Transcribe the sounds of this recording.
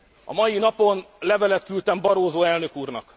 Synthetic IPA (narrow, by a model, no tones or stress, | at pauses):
ɒ̰mɒjinɒpo̞nlɛvɛlɛt̪kylt̪ɛmbɒɾoːzoːɛlnø̞kuːrnɒk